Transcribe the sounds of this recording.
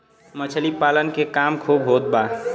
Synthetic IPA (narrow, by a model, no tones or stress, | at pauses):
mət͡ʃʰəlipalənkekamkʰobɦot̪̚ba